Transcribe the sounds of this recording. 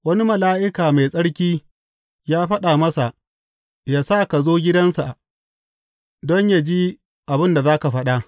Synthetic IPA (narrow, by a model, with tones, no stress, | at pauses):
wɐ˦ni˦mɐ˨laː˦ʔɪ˦kaː˨ma˨jsʼɐ˦ɽkʲiː˦ | jaː˦ɸɐ˦ɗaː˨mɐ˦sa˨ʔ | jaː˦saː˦ka˨zoː˦ɡʲɪ˦dɐ˦nsa˨ | dɔ˦ɲja˦d͡ʒi˦ | ʔa˨bɪ˦nda˨zaː˦ka˨ɸɐ˦ɗa˨ʔ